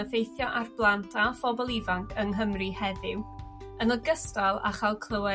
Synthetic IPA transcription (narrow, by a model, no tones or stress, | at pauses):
əfejθjɔʔarblˠantʰafɔbɔlˠivaŋkʰəŋɦəmrihɛðɪw | ənɔɡəstalˠa̰χalˠkʰl̥ˠəwɛ